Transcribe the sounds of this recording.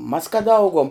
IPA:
mɐs kɐt ˈɐʊɡuɔm

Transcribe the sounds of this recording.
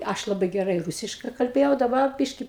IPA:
ˈɐʃ ˈlˠɑːbɐɪ ɡʲɛˈrɐɪ ˈruːsʲɪʃkɐɪ kɐlʲˈbʲeːjɛʊ dɐˈbɐr ˈbʲɪʃʲkʲɪ

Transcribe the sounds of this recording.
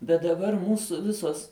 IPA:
bʲɛt dɐˈbɐr ˈmuːsʊ ˈʋʲɪsoːs

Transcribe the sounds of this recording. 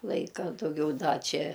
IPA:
ˈlˠɐɪkɐ dɐʊˈɡʲɛʊ ˈdɐ ˈt͡ʃʲɛ

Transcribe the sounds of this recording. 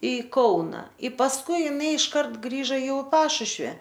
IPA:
ɪ ˈkɐʊnɐ ɪ pɐsˈkʊɪ ɪˈnɐɪ ɪʃˈkɐrt ˈɡrʲiːʒɐ ˈjɛʊ ɪ ˈpɑːʃʊʃʲʋʲɪ

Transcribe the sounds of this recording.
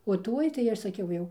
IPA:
oː ˈtuɔj tɐɪ ˈɐʃ sɐˈkʲɛʊ jɛʊ

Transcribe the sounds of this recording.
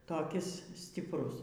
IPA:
toːˈkʲɪs sʲtʲɪpˈrʊs

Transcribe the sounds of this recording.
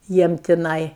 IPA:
ˈjiɛm tʲɪˈnɐɪ

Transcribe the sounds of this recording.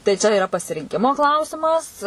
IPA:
tɐɪ ˈt͡ʃʲɛ ɪˈrɐ pɐsʲɪrʲɪŋʲˈkʲɪmoː ˈklˠɐʊsʲɪmɐs

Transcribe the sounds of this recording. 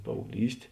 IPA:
pɐɐʊɡˈlʲiːsʲtʲ

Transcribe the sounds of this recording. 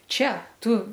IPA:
ˈt͡ʃʲɛ ˈtʊ

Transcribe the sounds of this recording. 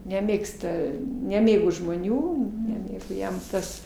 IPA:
nʲɛˈmʲeːkstɐ nʲɛˈmʲeːɡoː ʒmoːˈnʲuː nʲɛˈmʲeːɡoː ˈjɛm ˈtɐs

